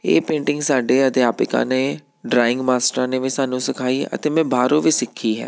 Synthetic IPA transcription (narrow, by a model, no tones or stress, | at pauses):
ḛːpẽːɳʈɪ̃ŋɡsaːɖeːəd̪ɪjaːpɪkã̰ːneː | ɖɾaːɪŋɡmaːsʈɾaːneːʋĩːsaːnũːsɪkʰaːiːə̰t̪eːmɛ̃ːbʱaːɾõːʋiːsɪkʰːiːɦɛ̰ː